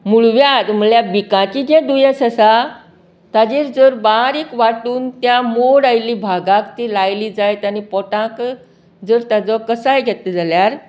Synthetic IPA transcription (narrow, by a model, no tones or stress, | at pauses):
muɭʋjad̪m̤əɭjabikãt͡ɕid͡ʑɛ̃d̪ujesəsa | t̪ad͡ʑiːɾd͡zəɾbaɾikʋaʈuːnt̪jamoɽajlibʱaɡãkt̪ilajlid͡zajt̪anipɔʈãk | d͡zəɾt̪ad͡zɔkəsajɡʱɛt̪ed͡zaljaɾ